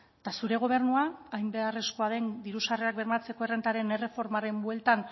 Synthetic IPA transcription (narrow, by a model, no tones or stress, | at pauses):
t̪asuɾe̞ɣ̞o̞β̞e̞ɾnuaːjmbe̞are̞sko̞aðe̞nd̪iɾusareak̚be̞ɾmat͡se̞ko̞ere̞nt̪aɾe̞ne̞re̞fo̞ɾmaɾe̞mbwe̞lt̪an